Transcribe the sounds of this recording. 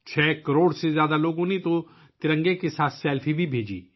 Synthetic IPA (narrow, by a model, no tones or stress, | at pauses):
t͡ʃʰɛːkəɾoːɽsezjaːd̪aloːɡõnit̪o | t̪ɪɾə̃ŋɡekesaːt̪ʰsɛːlfʰibʱibʱeːd͡ʒḭː